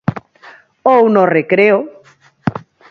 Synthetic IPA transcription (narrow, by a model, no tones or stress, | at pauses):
ownorekɾeo